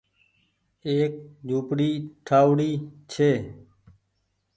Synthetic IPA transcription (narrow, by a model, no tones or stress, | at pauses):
eːk̚d͡ʒʱuːpɽiːʈʰaːʋɽiːt͡ʃʰeː